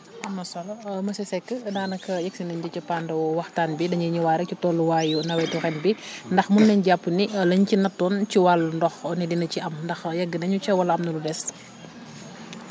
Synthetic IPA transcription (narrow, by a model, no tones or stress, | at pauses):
ʔɐmːɐsɐlɐmɐsɛsɛkːədaːnɐkːɐjɐksinɐɲd͡ʒɐcɐpaːndɐwɔwɐxtaːnbidɐɲɐɲuwaːɾɐcutɔːlːuwaːjunɐwɛjtuxɛnbindɐxmunːɐɲɟapːunilɐɲcinɐtːɔːnciwalndɔxɔnidinɐciɐmndɐxjɐɡːənɐɲut͡ʃɛwɐlɐɐmnɐludɛs